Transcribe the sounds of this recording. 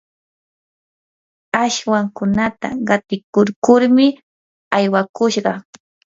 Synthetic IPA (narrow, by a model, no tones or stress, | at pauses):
aʃwaŋkʊnat̪a̰ɢɑt̪ɪkʊɾkʊɾmɪ | ajwakʊʃɢɑ